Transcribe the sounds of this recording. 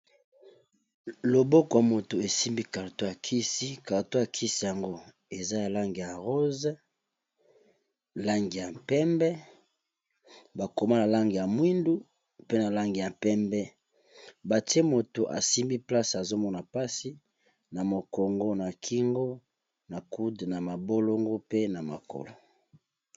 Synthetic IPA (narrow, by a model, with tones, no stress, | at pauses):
lo˨bo˦kɔ˨ja˨mo˨to˨e˨si˦mbi˦ka˨ʁto˦a˨kʰi˦si˦ka˨ʁto˦a˨kʰi˦si˦ja˨ŋɡo˦ | e˨za˦ja˨la˦ŋɡi˨ja˨ʁo˦z | la˦ŋɡi˨ja˨pɛ˦mbɛ˦ | ba˨ko˨ma˦na˨la˦ŋɡi˨ja˨mwi˦ndu˦ | pe˦na˨la˦ŋɡi˨ja˨pɛ˦mbɛ˦ | ba˨ti˦e˦mo˨to˨ʔa̰˨si˦mbi˦pla˦sa˨zo˦mɔ˦na˨pa˦si˦ | na˨mo˨ko˨ŋɡo˦na˨kʰi˦ŋɡo˦ | na˨ku˦dna˨ma˨bo˦lo˦ŋɡo˦pe˦na˨ma̰˨ko̰˨lo˨